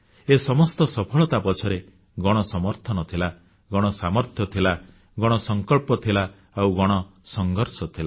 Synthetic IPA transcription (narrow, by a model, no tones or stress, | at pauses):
esɔmɔst̪ɔsɔpʰɔɭɔt̪apɔt͡ʃʰɔɾe | ɡɔɽ̃ɔsɔmɔɾt̪ʰɔnɔt̪ʰila | ɡɔɽ̃ɔsamɔɾt̪ʰjɔt̪ʰila | ɡɔɽ̃ɔsɔŋkɔɭpɔt̪ʰila | awɡɔɽ̃ɔsɔŋɡʱɔɾsɔt̪ʰila